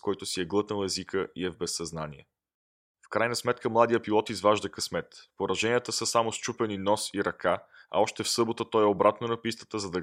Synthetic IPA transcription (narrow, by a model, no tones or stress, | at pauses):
kɔjt̪ʊsiɛɡlˠɤt̪nəlˠɛzikəʔḭɛvbɛsːɐznaniɛ̰ | fkɾajnɐsmɛt̪kʰəmlˠad̪ijəpilˠɔt̪izvaʒd̪əkɐsmɛt̪poɾɐʒɛniət̪əsəsamost͡ʃupɛninɔsiɾɐkaɐ̰ɔʃt̪ɛfsɤbot̪ət̪ɔjɛobɾat̪nonɐpist̪ə̥t̪əzɐd̪ɐ